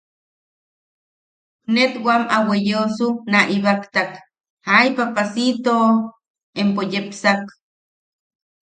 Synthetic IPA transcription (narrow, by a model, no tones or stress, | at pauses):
net̪wamawejosunaʔiβakt̪ak | hajpapasit̪o | empojepsak